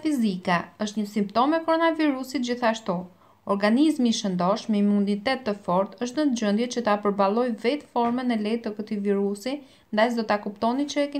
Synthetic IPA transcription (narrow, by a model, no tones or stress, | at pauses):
fizikaəʃt̪ɲəsimp̚t̪ɔmɛkɔɾɔnaviɾusit̪̚d͡ʑiθaʃt̪u | ɔɾɡanizmiʃənd̪ɔʃmɛimunit̪ɛt̪ːəfɔɾt̪əʃ̬t̪nəd͡ʑənd̪jɛt͡ɕət̪apəɾbalˠɔjvɛt̪fɔɾmɛnɛlɛjt̪əkət̪iviɾusi | nd̪ajsd̪ɔt̪akupt̪ɔnit͡ʃəɛkɛ